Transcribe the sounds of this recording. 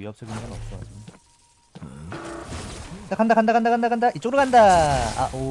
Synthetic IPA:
iɦʌp̚sʰeɡinɡanʌp̚s͈ʌ | e | dakʰandakʰandakʰandakandakʰandaʔit͡ɕ͈oɡɯɾukʰandaa̰ʔo

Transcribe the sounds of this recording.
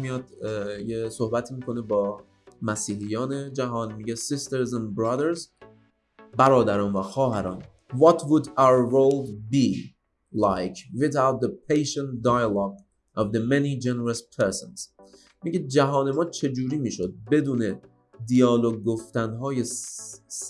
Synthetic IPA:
mijɒːd̪jesohbæt̪ʰiːmiːkʰo̞nebɒː | mæsiːɦijɒːned͡ʒæɦɒːnmiɟesist̪eɾzæ̃nbɾɑd̪eɾz | bæɾɒːd̪æɾɒːnvæxɒːɦæɾɒ̰ːn | vɒt̪ʰvud̪awɾːolbi | lajkʰviθawt̪̚d̪epʰejʃɛnd̪ajlɑɡ̚ | ʔɒvd̪emenid͡ʒeneɾespʰeɾsɔnz̥ | miɟed͡ʒæɦɒːne̞mɒːt͡ʃʰe̞d͡ʒuːɾiːmiːʃod̪̚be̞d̪uːne | d̪ijɒːloɡ̚ɡoft̪ænɦɒːjes

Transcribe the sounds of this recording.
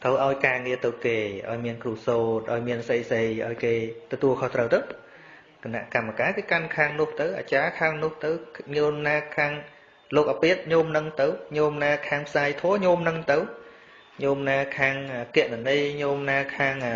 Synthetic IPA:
t̪ʰəwʔaɔjkaːŋiət̪ɨwkeːʔa̰ɔjmiənkruəsoːt̪̚ʔaɔjmiənsəjsəjʔa̰ɔjkeːt̪ɔt̪uəlkʰoht̪rəwt̪ɨw | kena̰ʔkamːakaːkeːkankʰaːŋnʊ̆əht̪ɨwʔa̰ːt͡ɕaːkʰaːŋnʊ̆əht̪ɨwɲoːmnaːkʰaːŋ | loːk̚ʔapeət̪̚ɲoːmnɨŋt̪ɨwɲoːmnaːkʰaːŋpʰsaːjt̪ʰɔːəɲoːmnɨŋt̪ɨw | ɲoːmnaːkʰaːŋəːkɛəʔnanɨjɲoːmnaːkʰaːŋʔə

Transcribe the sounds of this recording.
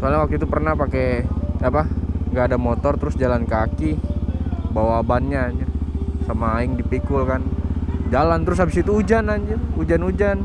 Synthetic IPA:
salɲawak̚t̪uit̪upərnahpakeapaŋɡaːdamot̪ɔrt̪əɾʊsd͡ʒalankaki | bawaːbanɲad͡ʒasəmaɪŋdipikʊlkand͡ʒalant̪əɾʊs̬habɪsit̪uːd͡ʒanand͡ʒuud͡ʒanud͡ʒan

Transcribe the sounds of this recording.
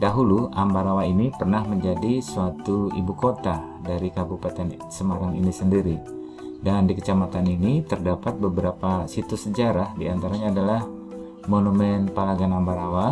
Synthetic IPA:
daɦuluambaɾawainipərnahməɲd͡ʒadisuat̪uḭbukot̪a | daɾikabupat̪ɛn | səmaɾaŋḭnisəndiɾi | dandikət͡ʃamat̪aninit̪ərdapat̪̚bəbəɾapasit̪usəd͡ʒaɾahdiant̪aɾaɲaːdalah | monumɛnpalaɡanambaɾawa

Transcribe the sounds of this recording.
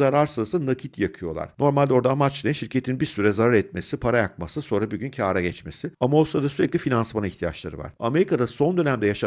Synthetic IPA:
aɾaɾsɯzˠsɯnacʰit̪ʰjakʰɯjo̞lˠa̰ɾ̥no̞ɾmalʲd̪ʲɛo̞ɾd̪aːmat͡ʃlˠajnʃiɾcʰe̞t̪ʰinbiɾsyɾɛzaɾaɾɛt̪me̞sipʰaɾajak̚masɯso̞nɾabuɟʲyncʰaːɾaɟɛt͡ʃme̞sɪamao̞sɾad̪asyɾɛclʲifinansmaniçt̪ʰija̰t͡ʃlˠaɾɯva̰ɾ̥ame̞ɾikʰad̪aso̞nd̪ø̞næmd̪ɛjaʃa

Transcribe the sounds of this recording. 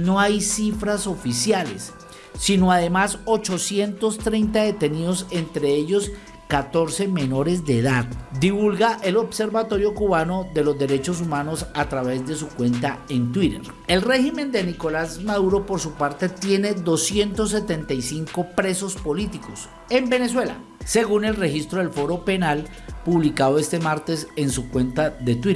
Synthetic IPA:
no̞ajsifɾaso̞fisjale̞sː | inoaðe̞maso̞t͡ʃo̞sje̞nt̪o̞st̪ɾejnt̪aðe̞t̪e̞niðo̞se̞nt̪ɾe̞eʝo̞s | kat̪o̞ɾse̞me̞no̞ɾezd̪eːðaðd̪iβulɡaʔe̞lo̞βse̞ɾbat̪o̞ɾjo̞kuβano̞ðe̞lo̞zd̪e̞ɾe̞t͡ʃo̞s̬umano̞sat̪ɾaβe̞zd̪e̞sukwe̞nt̪aent̪wiɾḛɾ | e̞lre̞ximẽ̞nd̪e̞niko̞lazmaðuɾo̞po̞ɾsupaɾt̪e̞t̪je̞ne̞ðo̞sje̞nt̪o̞s̬ːe̞t̪e̞nt̪ajsiŋko̞pɾe̞so̞spolit̪iko̞s | e̞mbe̞ne̞s̬we̞la̰ | se̞ɣune̞lre̞xist̪ɾoðe̞lfo̞ɾo̞pe̞nal | puβlikaðoe̞st̪e̞maɾt̪e̞se̞nsukwe̞nt̪aðe̞t̪wi

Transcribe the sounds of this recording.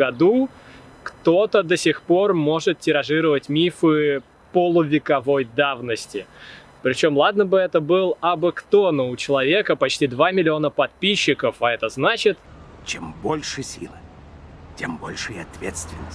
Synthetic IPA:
ɡɐd̪u | kt̪o̞t̪əd̪əsʲɪxpo̞rmo̞ʐɨt̪̚tʲɪɾɐʐɨɾəvətʲmʲifɨ | pəlˠʊvʲɪkɐvo̞jd̪avnəsʲtʲɪ | pɾʲɪt͡ɕo̞mlˠad̪nəbɨɛt̪əbɨlˠɐbɨkt̪o̞nəʊt͡ɕɪlˠɐvʲe̞kəpɐt͡ɕtʲid̪vamʲɪlʲɪo̞nəpɐt̪̚pʲiɕːɪkəfɐɛt̪əznat͡ɕɪt̪t͡ɕembolʲʂɨsʲḭlˠɨ | tʲembo̰lʲʂɨjiɐt̪vʲet̪st̪vʲɪnːəsʲ

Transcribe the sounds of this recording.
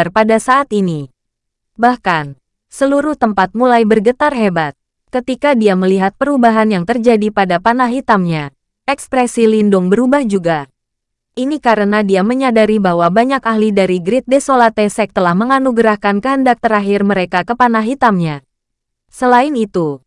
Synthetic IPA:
rpadasaʔːt̪ini | bahkan | səluɾuht̪əmpat̪̚mulajbərɡət̪arɦebat̪̚ | kət̪ikadiaməliɦat̪̚pəɾubaɦanjaŋt̪ərd͡ʒadipadapanaɦɦit̪amɲa | ʔɛkspɾɛsilindʊŋbəɾubahd͡ʒuɡa | ʔinikaɾənadiaməɲadaɾibahwabaɲakaɦlidaɾiɡɾɪt̪̚desolat̪esɛk̚t̪əlahməŋanuɡɾahkankəɦəndak̚t̪əɾaɦɪrməɾekakəpanaɦɦit̪amɲa | səlaɪnit̪u

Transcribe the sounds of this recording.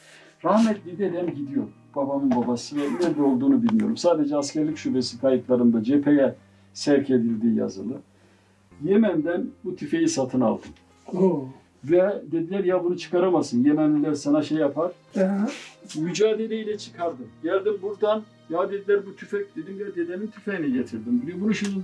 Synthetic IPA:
ɾahmɛt̪̚d̪ed̪iɦ̪ɛmɟid̪ijo̞ɾ | b̥abamɯnbabasɯvɛnɛɾd̪ɛo̞lˠd̪uːnubilʲmijo̞ɾumsaːd̪e̞d͡ʒɛascʰæɾlʲicʃube̞sit̪ʰajɯk̪lˠaɾɯnd̪ad͡ʒepʰe̞jɛ | sɛɾcʰe̞d̪ilʲd̪iːja̰zɯlˠɯ | jemænd̪ænbut̪ʰyfe̞jisat̪ʰɯna̰lˠd̪ɯm | o | vɛd̪e̞d̪ilʲæɾjaːbunut͡ʃʰɯ̥kʰaɾamasɯnjemænʲilʲæɾsanaʃejapʰaɾ̥ | myd͡ʒaːd̪e̞lʲɛilʲɛt͡ʃʰɯ̥kʰaɾd̪ɯmɟælʲd̪imbuɾd̪an | jaːd̪e̞d̪ilʲæɾbut̪ʰyfɛc̚d̪e̞d̪imjɛd̪e̞d̪enimt̪ʰyfejnɛɟet̪ʰiɾd̪imbud̪ibunuʃun

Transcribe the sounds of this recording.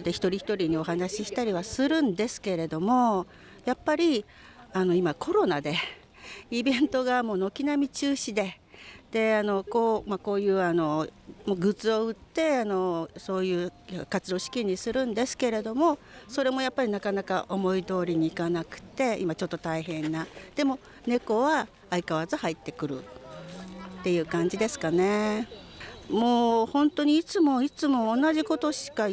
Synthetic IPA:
d̪eçi̥t̪o̞ɾʲiçi̥t̪o̞ɾʲiɲ̟io̞ɦanaɕiɕi̥t̪aɾʲiβasɨɾɯ̟̃nd̪e̞sɨ̥ke̞ɾe̞d̪o̞mo̞ | japːaɾʲi | ano̞imakʰo̞ɾo̞nad̪e̞ | ibẽ̞nt̪o̞ɡamo̞ːnokʲinamʲit͡ɕɨːɕid̪e̞ | d̪̥e̞ano̞koːmako̞ːjɯ̟ːano̞moɡɯ̟t͡sɨo̞ɯ̟t̪ːe̞ano̞so̞ːjɯ̟ːkat͡sɨd̪o̞ːɕi̥kʲiɲ̟isɨɾɯ̟̃nd̪e̞sɨ̥ke̞ɾe̞d̪o̞mo̞so̞ɾe̞mo̞japːaɾʲinakanakaʔo̞mo̞id̪o̞ːɾʲiɲ̟iːkanakɯ̟̥t̪e̞imat͡ɕo̞t̪ːo̞t̪aiɦẽ̞nːad̪̥e̞mo̞ | ne̞ko̞βaː | ikaβ̞azɨhait̪ːe̞kɯ̟ɾɯ̟̰ | t̪ːe̞jɯ̟ːkãɲ̟d͡ʑid̪e̞sɨ̥kane̞ | moːhõ̞nt̪o̞ɲ̟iːt͡sɨmo̞it͡sɨmo̞ːnaʑiko̞t̪o̞ɕi̥ka

